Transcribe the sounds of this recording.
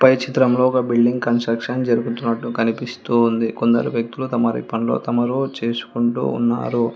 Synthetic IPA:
pɐjt͡ʃit̪ɾɐmloːɡaːbiɭɖiŋɡkɐnsʈɾɐkʂɐnd͡ʒɐɾuɡut̪unːɐʈːukɐnipist̪uːnd̪iko̞nd̪ɐ̰ɾuʋjɐk̚t̪ulut̪ɐmɐɾḭpɐnlo̞̰ːt̪ɐmɐɾut͡ʃe̞ːsu̥kuɳʈṵːṵnːa̰ːɾu

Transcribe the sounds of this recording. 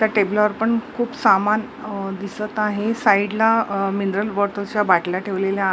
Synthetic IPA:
t̪jaʈeblʋəɾpəɳkʰuːpsaman | d̪isət̪aɦesaiɖlaminɾəlʋəɾt̪ot͡ɕjabaʈlaʈʰeʋlelja

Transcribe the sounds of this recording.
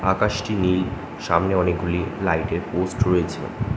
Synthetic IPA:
akaʃʈinil | ʃamneɔnek̚ɡʱulilajʈeɾposʈɾojet͡ɕʰḛ

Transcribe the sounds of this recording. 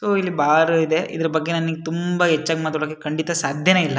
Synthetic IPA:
soːilːibaːɾuid̪e̞ʔḭd̪ɐɾɐbɐɡːe̞nɐniɡet̪umbɐɦɛt͡ʃːaːɡmaːt̪aɽokːekɐɳɖit̪ɐsaːd̪ʱjɐneilːɐ

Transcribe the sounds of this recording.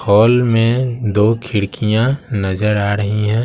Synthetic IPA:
ɔːlmẽd̪oːkʰɪɽkʰijãnɐzəɾaːɾəɦiɦɛ̃ː

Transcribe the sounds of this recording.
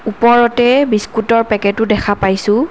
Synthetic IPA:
upɔɹɔtɛbiskutɔɹpɛkɛtʊdɛkʰapajsʊ̃

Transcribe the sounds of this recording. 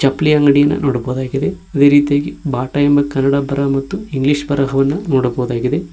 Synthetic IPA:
t͡ʃɐpːliɐŋɡɐɽijɐnːɐ̰nʔoːɽɐbɐʋud̪aːɡid̪e̞ɐd̪e̞ːɾiːt̪ijaːɡibaːʈɐjembɐkɐnːɐɽabʱɐɾɐmɐt̪ːuiŋɡliːʂbɐɾɐɦɐʋɐnːɐnoːɽɐbɐɣd̪aːɡid̪e

